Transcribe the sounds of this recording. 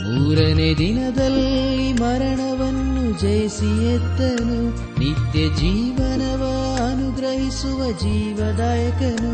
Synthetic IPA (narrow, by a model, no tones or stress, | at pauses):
nuːɾɐned̪inɐd̪ɐlːimɐɾɐɳɐʋɐnːud͡ʒɐjsijɛd̪ːɐnu | nit̪jɐd͡ʒiːʋɐnɐʋɐ | ɐnuɡɾɐɦisuʋɐd͡ʒiːʋɐd̪aːjɐkɐnu